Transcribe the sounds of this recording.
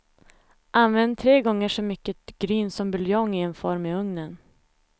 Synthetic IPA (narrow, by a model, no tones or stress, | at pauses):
ʔanvɛnd̪̚t̪ʰːɾeːɡɔŋːəʂɔmʏkːət̪ɡ̥ɾyːnsɔmbɵljɔŋːɪɛnfɔɾmɪɵŋnən